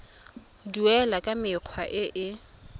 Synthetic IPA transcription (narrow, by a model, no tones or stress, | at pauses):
duɛlakʼamɪq͡χʰwaʔɪʔɪ